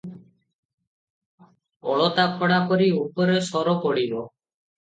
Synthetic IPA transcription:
ɔ̰ɭɔt̪akʰɔɽakɔɾiupɔɾesɔɾɔkɔɽibɔ

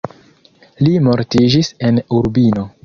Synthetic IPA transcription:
limo̞ɾtid͡ʒise̞nuɾbino̞

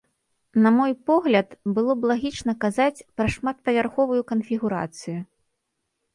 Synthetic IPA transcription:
nɐmɔjpɔɣlʲɐt̪bɨlˠɔblˠaɣʲit͡ʂnɐkazat͡sʲpɾɐʂmat̪̚pɐvʲarxɔvujukɐnfʲiɣuɾa̰t̪sɨju

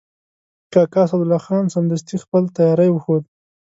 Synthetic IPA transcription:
kɑkɑsad̪ʊlɑxɑnsand̪ast̪ixpəlt̪ajɑɾajwəxod̪

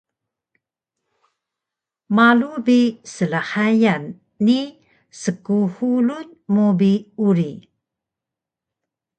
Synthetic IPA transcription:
malubisəlahajanː | i | səkuhulun | mobiuɾi

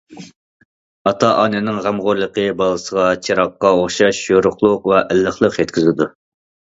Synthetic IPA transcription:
ɑt̪ʰɑʔɑːnɪnɪŋʁæmʁoɾlˠəqʰəbɑlˠəsəʁɑt͡ʃʰeɾɑqːɑoχʃɑʃjoɾʊχlˠʊqvɛʔɛlːəχlˠəqjɛt̪̚kʲizɪd̪u

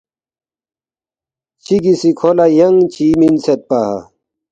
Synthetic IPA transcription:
t͡ɕʰiɡisikʰolajɐŋt͡ɕiːminset̪̚paha̰

